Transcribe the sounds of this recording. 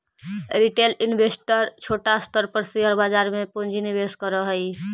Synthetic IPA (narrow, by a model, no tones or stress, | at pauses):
ɾiʈelinbʱesʈəɾt͡ʃʰoʈast̪əɾpəɾsiɦəɾbad͡ʒaɾmepond͡ʒʱinibeskəɾəɦəj